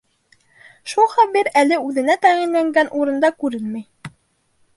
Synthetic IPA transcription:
ʃulˠχæβiɾælɘʉðɘ̆næt̪æʁinlæŋɡænʔuɾɤ̆nd̪ɑkʉɾɘnmæj

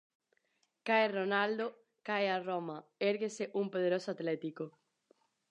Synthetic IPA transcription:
kajronald̪o | kajaromɐeɾɣeseʔumpoð̞eɾosoat̪lɛt̪iko

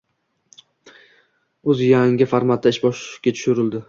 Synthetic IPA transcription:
ɵzjaŋɪfaɾmat̪̚ːaɪʃbɒʃkʲat̪ʰʊ̥ʃʊɾɪld̪ɪ

